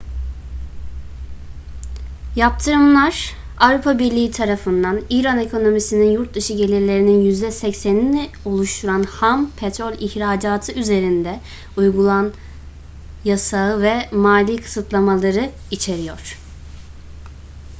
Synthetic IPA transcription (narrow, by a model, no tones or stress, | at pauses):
jap̚t̪ʰɯɾɯmlˠaɾ̥ | avɾupʰabiɾlʲiːit̪ʰaɾafɯnd̪aniɾanekʰo̞no̞misininjuɾt̪̚d̪ɯʃɯɟe̞lʲiɾlʲe̞ɾininjyzd̪ɛsɛcsænnɛ | olˠuʃt̪ʰuɾanhampʰet̪ɾolʲiçɾaːd͡ʒaːt̪ʰɯyze̞ɾind̪ɛ | ujɡulˠan | jasaɯvɛmaːlʲiːkʰɯ̥sɯt̪ʰlˠamalˠaɾɯ | it͡ʃʰe̞ɾijoɾ̝̥